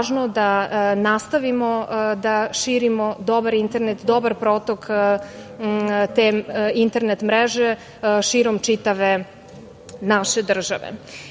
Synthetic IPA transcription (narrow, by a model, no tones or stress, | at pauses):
ʒnod̪anast̪aʋimod̪aʃiːɾimod̪o̞baɾint̪eɾnet̪d̪o̞baɾpɾot̪ok | t̪eint̪e̞ɾnet̪mɾeʒe | ʃiːɾomt͡ʃit̪aʋe | naʃed̪r̩ʒaʋḛ